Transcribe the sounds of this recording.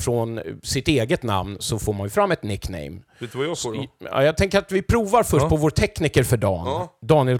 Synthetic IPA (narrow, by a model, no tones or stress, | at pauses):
fɾɔnsɪt̪eːɡət̪na̰mnsɔfoːɾmanjɵfɾamːɛt̪nɪkːnɛ̰jm | ɑ̰jɑɡt̪ʰɛŋkəɾat̪vɪpʰɾuːvaɾfœʂt̚pʰɔvoːɾʈ̪ʰɛknikəɾfœɖɑ̰ːnd̪ɑːnɪɛl